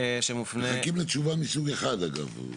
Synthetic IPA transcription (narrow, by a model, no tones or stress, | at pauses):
ʃemufneχakimlet͡ʃuvamisuɡeχad̪aɡa̰v